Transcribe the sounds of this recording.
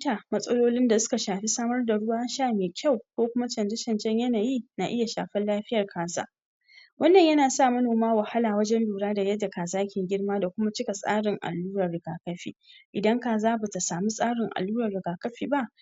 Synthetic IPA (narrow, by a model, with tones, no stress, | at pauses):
taː˨mɐ˦sʼɐ˦loː˦lɪ˦nda˨sʊ̥˦ka˨ʃaː˨ɸi˦saː˦mɐ˦rda˨ɽʊ˦waː˦ʃaː˦˨meː˨kʲa˦˨wkʷoː˦kʷʊ˦ma˦t͡ʃɐ˨nd͡ʒɐ˦t͡ʃɐ˨nt͡ʃɛ˦ɲjɐ˦naː˨jiː˦na˨ʔɪ˦ja˨ʃa̰ː˨ɸɐ˦nlaː˦ɸɪ˦jɐ˨rkʰaː˨za̰ː˦ | wɐ˦nːɐ˨ɲjɐ˦naː˨sa˦˨mɐ˦noː˨maː˦wɐ˨ha˦laː˨wɐ˦d͡ʒɛ˦nluː˨ɽaː˦da˨jɐ˦dːa˨kaː˨zaː˦kʲɪ˨ŋɡʲɪ˦ɽmaː˦da˨kʷʊ˦ma˦t͡ʃɪ˦ka˨sʼa̰ː˦ɽɪ˨ŋʔa̰˨lːuː˦ɾɐ˨rːɪ˨ɡaː˨kɐ˦ɸḭː˨ʔɪ˨dɐ˦ŋkaː˨zaː˦ba˨ta˨saː˨mi˦sʼaː˦ɽɪ˨ŋʔa̰˨lːuː˦ɾɐ˨rːɪ˨ɡaː˨kɐ˦ɸiː˨ba˦ʔ